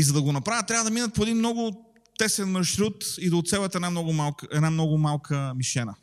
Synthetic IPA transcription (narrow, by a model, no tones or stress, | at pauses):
izɐd̪ɐɡonɐpɾavət̪tːɾʲavəd̪ɐminət̪̚poɛd̪inmnɔɡʊ | t̪ɛsɛnmɐʃɾut̪id̪oːt̪sɛbət̪ɛdnamnɔɡʊmalˠkɛd̪namnɔɡʊmalˠkʰəmiʃɛnə